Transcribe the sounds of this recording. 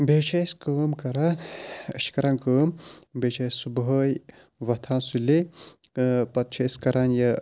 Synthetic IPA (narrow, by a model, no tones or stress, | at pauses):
bʱeːt͡ʃʰɐjskəːmkɐɾanɐ̰ʃi̥kɐɾaːnkəːmbʱet͡ʃʰɐjsubɦəːj | ʋɐt̪ʰaːnsule | pɐt̪̚t͡ʃʰɐskɐɾaːnjɐ